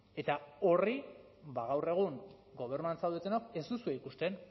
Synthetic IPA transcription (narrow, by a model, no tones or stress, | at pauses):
e̞t̪ao̞ri | baɣ̞awre̞ɣ̞uŋ | ɡo̞β̞e̞ɾnuant͡sawðet̪e̞noke̞zd̪usueikust̪e̞n